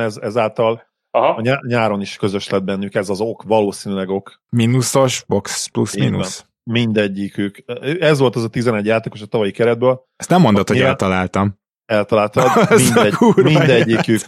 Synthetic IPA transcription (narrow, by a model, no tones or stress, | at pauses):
ɛzɛzaːlt̪ɒl | ɦɒɲaɲaːɾo̞niʃkø̞zø̞ʃlɛd̪̚bɛnːykɛzɒzo̞kvɒloːsiːnylɛɡo̞k | minusoʃboksplṵsmḭnus | mind̪ɛɟːikøːkːøɛzʋo̞lt̪ɛzɒt̪izɛnɛɟjaːt̪eːko̞ʃɒt̪ɒvɒjikɛɾɛd̪̚bøːl | ɛst̪nɛmːond̪ot̪hoiaɛlt̪ɒlaːlt̪ɒm | ɛlt̪ɒlaːlt̪ɔminduind̪ɛɟːikøk